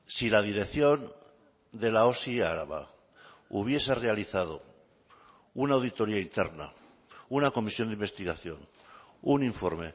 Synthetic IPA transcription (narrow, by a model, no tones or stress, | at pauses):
silað̞iɾe̞kθjo̞n | d̪e̞laosiaɾaβa̰ | uβ̞je̞sere̞aliθað̞o̰ | unaːwðit̪o̞ɾiaint̪e̞̰ɾna̰ | unako̞misjo̞nd̪imbe̞st̪iɣaθjo̞n | uniɱfo̞ɾme̞̰